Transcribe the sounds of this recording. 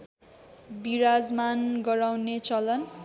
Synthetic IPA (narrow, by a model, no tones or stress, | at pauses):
biɾad͡zmanɡʌɾawnet͡sʌlʌn